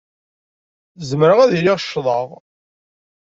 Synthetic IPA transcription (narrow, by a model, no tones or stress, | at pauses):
zmɾəʁæðilɪʁʃːðˤɑʁ